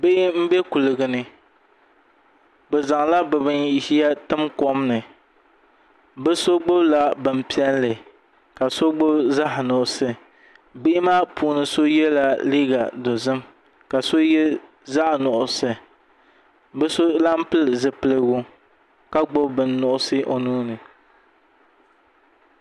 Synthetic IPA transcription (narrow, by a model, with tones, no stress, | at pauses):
bɪ˦ʔɪ˦m̩˦bɛ˦ku˨lɨ˨ɡɨ˨nɨ˦ | bɛ˨za˨ŋ˨la˦bɨ˨bɨ˦ni˦ʃi˦ja˦tɨ˦mkɔ˦mnɨ˨ | bɨ˦so˦ɡ͡bo˦bla˦bɨ˨m˦˨pi˦ɛ˦nlɨ˨ | ka˨so˦ɡ͡bo˦bza˦ʔnʊ˨ʔʊ˨sɨ˦ | be˦ʔɪ˦maː˦puː˨nɨ˨so˦jɛ˦la˦liː˦ɡa˨dɔ˨zɨ˦m | ka˨so˦jɛ˦ | za˦ʔnʊ˨ʔʊ˨sɨ˨ | bɨ˦so˦la˦m˦pɨ˦lɨ˨zɨ˨pɨ˦lɨ˦wu˦ | ka˦ɡ͡bʊ˦bbɨ˨nːʊ˨ʔʊ˦sɨ˦ʔo˨nuː˦nɨ˨